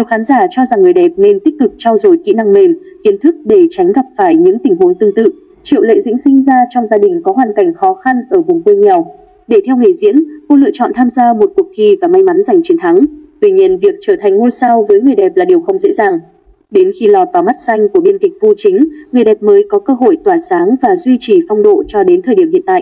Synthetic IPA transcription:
ɗi˨˩əwxaː˨˦nzaː˧˩t͡ɕɔ˧za˨˩ŋːɨ˨˩əjɗɛ˨˩p̚ne˧nt̪i˦˥k̚kɨ˨˩k̚t͡ɕa˧wzo˨˩jkḭ˧˨na˧ŋme˨˩mki˨˦ənt̪ʰɨ˦˥k̚ɗe˧˩t͡ɕa˨˦jŋ̟ɣa˨˩p̚faː˧˩jɲɨ̰˧˥ŋt̪ï˨˩ŋ̟ɦu˨˦nt̪ɨ˧ŋt̪ɨ̰˧˨ | t͡ɕḭ˧˨wlḛ˧˨zḭ˧˥ŋsï˧ŋ̟zaː˧t͡ɕɔ˧wŋ͡mzaː˧ɗï˨˩ŋ̟kɔ˨˦ɦwaː˨˩nka˨˩jŋ̟xɔ˨˦xa˧nʔəː˧˩kʊ˨˩ŋ͡mkwe˧ɲɛ˨˩w | ɗe˧˩t̪ʰɛ˧wŋe˧˩zḭ˧˥ənko̰˧˥lɨ̰˧˨t͡ɕɔ̰˧˨nt̪ʰaː˧mzaː˧mo˨˩t̚ku˨˩ək̚ki˧˩vaː˨˩ma˧jma˨˦nza˨˩jŋ̟t͡ɕe˨˦nt̪ʰa˨˦ŋt̪wi˧ɲi˧ənvi˨˩ək̚t͡ɕəː˧˩t̪ʰa˨˩jŋ̟ŋu˧jsa˧wvəː˨˦jŋɨ˨˩əjɗɛ˨˩p̚laː˨˩ɗi˨˩əwxə˧wŋ͡mzḛ˧˥zaː˨˩ŋ | ɗe˨˦nxi˧lɔ˨˩t̚vaː˨˩wma˦˥t̚sa˧jŋ̟ku˧˩əɓi˧nki˨˩k̟̚vu˧t͡ɕï˨˦ŋ̟ŋɨ˨˩əjɗɛ˨˩p̚məː˨˦jkɔ˨˦kəː˧ɦo̰˧˨jt̪waː˧˩saː˨˦ŋvaː˨˩zwi˧t͡ɕi˧˩fɔ˧wŋ͡mɗo̰˧˨t͡ɕɔ˧ɗe˨˦nt̪ʰəː˨˩ji˧˩əmhḭ˧ənt̪a̰ː˧˨ʔ

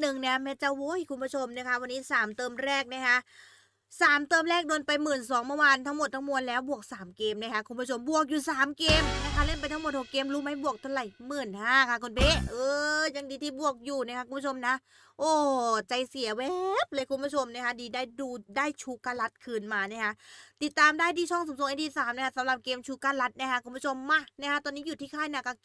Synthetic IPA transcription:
nɯ˨˩ŋni˦˥˩ɐmɛː˦˧˥nt͡ɕa˧˩woː˦˥˩jkʰu˧npʰu˦˥t͡ɕʰo˧mna˦˥˩kʰa˦˥wa˧nːiː˦˥saː˨˩˦mt̪ɤː˧mɾɛː˥˩k̚na˦˥˩kʰa˦˥ʔ | saː˨˩˦mt̪ɤː˧mɾɛː˥˩k̚do˧ənpa˧jmɯː˨˩nsɔː˩˦ŋmɔ˧˩waː˧nt̪ʰa˦˥ŋmo˨˩t̪̚ʰːa˦˥ŋmu˧ənlɛː˦˥wbu˨˩ək̚saː˩˦mkeː˧mna˦˥kʰa˦˥kʰu˧mpʰu˦˥˩o˧mbu˨˩ək̚juː˨˩saː˨˩˦mkeː˧mna˦˥kʰa˦˥le˥˩npa˧jt̪ʰa˦ŋmo˨˩t̪̚ho˨˩kːeː˧mɾuː˦˥ma˦˥˨bu˨˩ək̚t̪ʰa˧la˨˩jmɯː˨˩nkʰaː˧˥˩kʰa˧˩kʰo˧˩npʰeː˦˥ʔɤː˧ja˧ŋdiː˧t̪ʰiː˧˩bu˨˩ək̚juː˨˩na˦˥kʰa˦˥kʰu˧˦bu˥t͡ɕʰo˧mna˦˥ʔ | ʔoː˧˩t͡ɕa˧˩jsi˨˩˦ɐwɛː˦p̚lɤː˧jkʰu˧nbu˥˩t͡ɕʰo˧mna˦˥kʰa˧˥diː˧daː˥˩jduː˧daː˥˩jt͡ɕʰuː˧˥kaː˧˩la˦˥t̪̚kʰɯː˧˩nmaː˧na˦˧˩kʰa˦˥ʔt̪i˨˩t̪ːaː˧mdaː˥˩jt̪iː˧˩t͡ɕʰɔ˥˩ŋso˨˦mso˨˦ŋʔt̪iː˧˩saː˩˦mna˧˥kʰa˧˥sa˨˦mla˨˩p̚keː˧mt͡ɕʰuː˧kaː˧˥la˦˥t̪̚na˧˥kʰa˧˦˥kʰu˧˦bu˦˥˩t͡ɕʰo˧mːa˧˩na˦˥kʰa˦˥t̪ɔː˧nːiː˦˥juː˨˩t̪ʰiː˥˩kʰaː˥˩jna˧˩kɔː˥˩

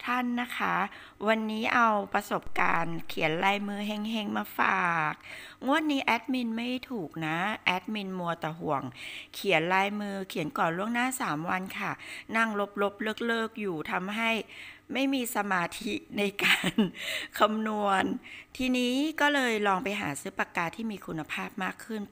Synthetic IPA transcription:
t̪ʰa˥˩nːa˦˥kʰa˦˥ | wa˧nːiː˦˥ʔa˧wpɾa˧so˨˩p̚ka̰ː˧nkʰi˨˩˦ənlaː˧jmɯː˧ɦe˧˥˩ŋɦe˧˥˩ŋmaː˧faː˨˩k̚ŋu˥˩ənːiː˦˥ʔɛː˦˥t̪̚mi˧nma˥˩jt̪ʰuː˨˩k̚na˦˥ʔɛ˦˥t̪̚mi˧nmu˧ɐt̪aː˨˩ɦu˨˩əŋkʰi˩˦ənlaː˧jmɯː˧kʰi˨˩˦ənkɔː˨˩nlu˥˩əŋnaː˥˩saː˩˦mwa˧nkʰa˥˩na˥˩ŋlo˦˥p̚lo˦˥p̚lɤː˥˩k̚lɤː˥˩k̚juː˨˩t̪ʰa˧mɦa˥˩jma˥˩jmiː˧sa˧maː˧t̪ʰi˦˥na˧jkaː˧nkʰa˧mnu˧ənt̪ʰiː˧niː˦˥kɔː˥˩lɤː˧jlɔː˧ŋpa˧jɦa̰ː˩˦sɯː˦˥pa˧kaː˧t̪ʰiː˥˩miː˧kʰu˧nːa˧pʰaː˥˩p̚maː˥˩kʰːɯ˥˩n

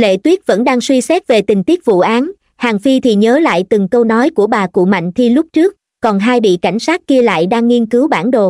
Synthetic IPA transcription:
lḛ˧˨t̪wi˦˥ət̚və̰˧˥nɗaː˧ŋswi˧sɛ˦˥p̚ve˨˩t̪ï˨˩ŋ̟t̪i˦˥ək̚vṵ˧˨ʔaː˨˦n | haː˨˩ŋfi˧t̪ʰi˨˩ɲəː˨˦la̰ː˧˨jt̪ɨ˨˩ŋkə˧wnɔ˨˦jku˧˩əɓaː˨˩kṵ˧˨ma̰˧˨jŋ̟t̪ʰi˧lʊ˦˥p̚t͡ɕɨ˦˥ək̚ːɔ˨˩nɦaː˧jɓḭ˧˨ka˧˩jŋ̟saː˦˥t̚ki˧əla̰ː˧˨jɗaː˧ŋːi˧ənkɨ˨˦wɓaː˧˩nɗo˨˩

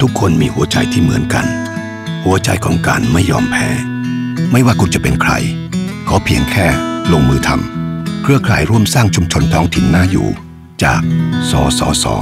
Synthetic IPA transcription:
t̪ʰu˦˥kʰːo˧nmiː˧hu˨˦ɐt͡ɕa̰˧jt̪ʰiː˥˩mɯ̰˩˦ənka˧n | hu˩˦ɐt͡ɕa̰˧jkʰɔː˨˩˦ŋkaː˧nma˥˩jːɔː˧mpʰɛ̰ː˦˥ | ma˥˩jwaː˥˩ku˧nt͡ɕa˨˩pe˧nkʰɾa̰˧j | kʰɔː˩˦pʰi˨˦əŋkʰɛː˥˩lo˧ŋmɯː˧t̪ʰa˧mkʰɾɯ˥˩ɐkʰaː˨˩jɾu˥˩əmsaː˥˩ŋt͡ɕʰu˧mt͡ɕʰo˧nt̪ʰɔː˦˥ŋt̪ʰi˨˩nːaː˥˩jṵː˨˩ | t͡ɕa̰ː˨˩k̚sɔ̰ː˩˦sɔ̰ː˩˦˥sɔ̰ː˩˦

